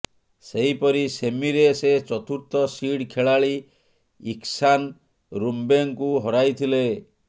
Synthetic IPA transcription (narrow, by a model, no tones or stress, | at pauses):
seɦipɔɾisemiɾeset͡ʃɔt̪uɾt̪ɔsiɽkʰeɭaɭi | iksan | ɾumbeŋkuɦɔɾajt̪ʰile